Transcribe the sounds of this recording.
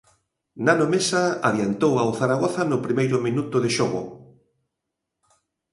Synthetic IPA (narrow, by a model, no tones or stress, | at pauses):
nanomesaaðjant̪owawθaɾaɣɔθɐnʊpɾimejɾʊminut̪ʊðɪʃɔɣʊ̰